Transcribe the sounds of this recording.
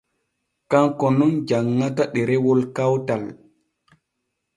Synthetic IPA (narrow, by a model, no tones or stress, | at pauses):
kaŋkɔnɔnd͡ʒaŋːataɗɛɾɛwɔlkawtal